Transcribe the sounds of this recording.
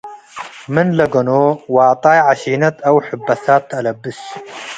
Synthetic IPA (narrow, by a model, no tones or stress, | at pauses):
mɨnlɐɡɐnoːwɑʕt̪ˤɑːjʕaʃiːnɐt̪ɐwħʊbːɐθaːt̪ːɐlɐbːɨs